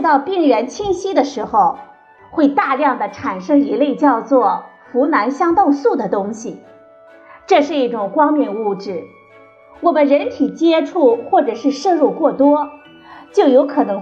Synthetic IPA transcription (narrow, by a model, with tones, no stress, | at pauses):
t̪ɑ˥˧ʊpi˥˩ŋɥɛ˧˥nt͡ɕʰi˥ŋɕi˥d̪ə˨ʂɻ̩˧˥xo˧ʊ | xwe˥˧ɪt̪a˥˧ljɑ˥˩ŋd̪ə˩ʈ͡ʂʰa˨˩nʂɤ˥ŋi˧˥le˥˧ɪt͡ɕjɑ˥˧ʊt͡swɔ˥˩ | fu˧˥na˧˥nɕjɑ˥ŋt̪ɑ˥˧ʊsu˥˩d̪ə˩t̪ʊ˥ŋɕi˨˩ | ʈ͡ʂɤ˥˧ʂɻ̩˥˧i˥˩ʈ͡ʂʊ˨˩ŋkwɑ˥ŋmjɛ˥˩nu˥˧ʈ͡ʂɻ̩˥˩ | wɔ˨˩mə˦nɻə˧˥nt̪ʰi˨˩t͡ɕjɛ˥ʈ͡ʂʰu˥˩xwɔ˥˩ʈ͡ʂɤ˨˩ʂɻ̩˥˧ʂɤ˥˧ɻu˥˧kwɔ˥˩t̪wɔ˥ | t͡ɕjo˥˩ʊjo˧˥ʊkʰɤ˨˩nɤ˧˥ŋ